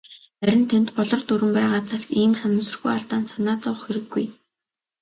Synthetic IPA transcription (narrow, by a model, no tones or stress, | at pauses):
æɾʲɪ̆nt̪ʰent̪pɔɮɞ̆rt̪uɾɘ̆mpæːʁaːt͡sʰakt̪iːmsanʊ̆sɵ̆rɣujaɮt̪aːnsanaːt͡sawə̆χxeɾɘ̆ɡːuj